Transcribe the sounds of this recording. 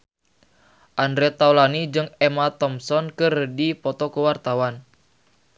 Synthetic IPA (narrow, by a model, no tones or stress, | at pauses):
ʔandɾɛt̪awlanid͡ʒɨŋɛmat̪ɔmsɔnkɨrdipɔt̪ɔkəwart̪awan